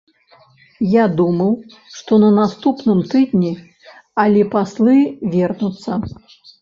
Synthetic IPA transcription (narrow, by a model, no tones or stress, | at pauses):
jad̪umɐw | ʂt̪ɔnɐnast̪upnɨmt̪ɨd̪ʲnʲi | ɐlʲɛpaslˠɨvʲɛrnut̪sːɐ